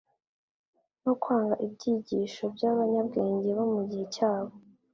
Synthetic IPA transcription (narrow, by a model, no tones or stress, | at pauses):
nokwaːŋɡaʔibɟiːɟiːʃo̞bɟaβaɲabɡe̞ːɲɟe̞βomuɟihe̞caːβo